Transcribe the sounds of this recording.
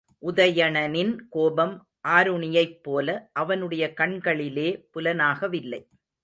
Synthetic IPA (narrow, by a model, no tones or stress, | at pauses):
ʔʊðɐjɐɳɐnɪnkoːbɐm | ʔaːɾʊɳɪjɐɪpːoːlɐʔɐʋɐnɯɽɐjɐkɐɳɡɐɭɪleːpʊlɐnaːɣɐʋɪlːɐɪ